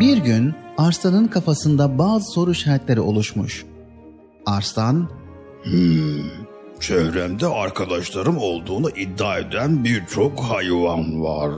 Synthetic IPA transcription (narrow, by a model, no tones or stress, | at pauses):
biɾɟynaɾst̪ʰanɯnkʰafasɯnd̪abaːzɯso̞ɾuʃat̪lʲe̞ɾio̞lˠuʃmuʃ | aɾst̪ʰan | h̩ | t͡ʃʰɛvɾɛmd̪ɛaɾkʰad̪aʃlˠaɾɯmo̞lˠd̪uːnaʔid̪ːaːed̪ænbiɾt͡ʃʰokhajvanva̰ɾ̥